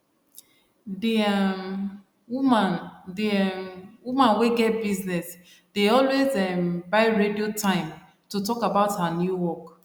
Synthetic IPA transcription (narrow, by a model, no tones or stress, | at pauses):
di | mandiɛmwumãnweɡɛt̚biznɛs | d̥eɔlwezɛmbaɪɹediotʰãɪ̃m | tutɔkabaʊthanjuwɔk